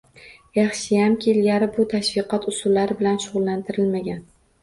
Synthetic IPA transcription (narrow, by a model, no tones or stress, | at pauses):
jɑχʃɪjamkʲʰelɡʲaɾɪbʊt̪ʰaʃvɪqʰɒt̪ʊsʊlːaɾɪbɪlanʃʊʁʊlˠːant̪ʰɪɾɪlmaɡʲan